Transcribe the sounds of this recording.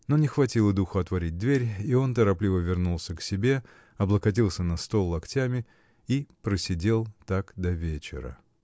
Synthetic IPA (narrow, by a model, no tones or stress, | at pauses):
no̞nʲɪxvɐtʲilˠəd̪uxʊɐt̪vɐɾʲid̚ʲd̪vʲeɾʲio̞nt̪əɾɐplʲivəvʲɪrnulˠsʲəksʲɪbʲe̞ | ɐblˠəkɐt̬ʲilˠsʲənɐst̪o̞lˠːɐktʲamʲɪ | ipɾəsʲɪdʲe̞lˠt̪akd̪ɐvʲet͡ɕɪ̰ɾə̰